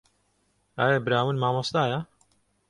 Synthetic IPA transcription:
aːjɐbɾaːwunmaːmɑst̪aːjɐ

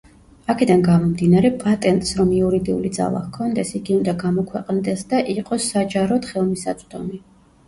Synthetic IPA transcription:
akʰɛd̪anɡamɔmd̪inaɾɛpʼat̪ʼɛnt̪ʼsɾɔmiuɾid̪iulid̪za̰lˠa̰kʰɔnd̪ɛsiɡiund̪aɡamɔkʰwɛqʼnd̪ɛsd̪aʔiqʼɔsad͡ʒaɾɔd̪χɛlˠmisat̪sʼd̪ɔ̰mi

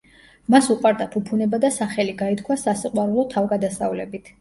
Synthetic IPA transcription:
masuqʼwaɾd̪apʰupʰunɛbad̪asaχɛliɡait̪̚ʰkʰwasasiqʼwaɾulˠɔt̪ʰavɡad̪asavlɛbit̪ʰ

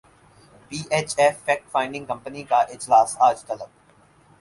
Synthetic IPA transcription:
piːʔeːt͡ʃɛːfːɛːk̚ʈfãːɪ̃ɳɖɪ̃ŋɡkɐ̃mpənikaʔɪd͡ʒlaːsaːd͡ʒt̪ɐləb̚

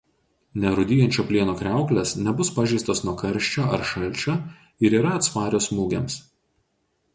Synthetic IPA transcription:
nʲɛɾʊd̪ʲɪjɛnʲt͡ʃʲoːpʲlʲiɛnoːkɾʲæˑʊklʲɛsnʲɛbʊspɑʒʲɛɪst̪osnuɔkɐɾʲˑʃʲt͡ʃʲoːɐ̰ɾʃɐlʲˑt͡ʃʲoː | ɪɾiːɾɐːt̪spɑːɾʲoːsmuːɡʲɛms

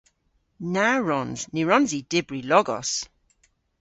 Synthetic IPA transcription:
naɹɔnznɪɹɔnzid̥ɪbɹilɔɡɔ̰s

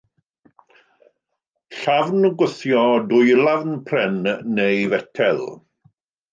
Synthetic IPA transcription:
ɬavnəɡwʊθjɔdʊjlˠavnpʰrɛnːejvɛtʰɛlˠ

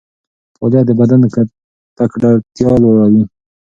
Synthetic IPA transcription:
poljɑd̪əbad̪anka | t̪akɖat̪jɑlwaɽawi

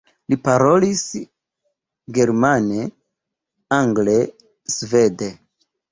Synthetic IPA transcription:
lipaɾo̞lis | ɡe̞ɾmane | aŋɡle | sve̞de

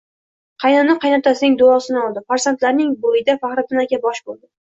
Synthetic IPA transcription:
qʰɑjnannɪqʰɑjnap̚t̪ʰasɪnɪŋd̪ʊɒsɪnɪɒlˠd̪ɪfaɾsant̪laɾnɪŋbojɪd̪afaχɾɪɪnakʲanbɒʃbolˠd̪ɪ

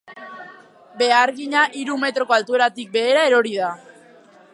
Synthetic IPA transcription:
be̞aɾɣiɲaʔiɾume̞t̪ɾo̞ko̞alt̪ue̞ɾat̪ik̚be̞ðeɾae̞ɾo̞ɾiða

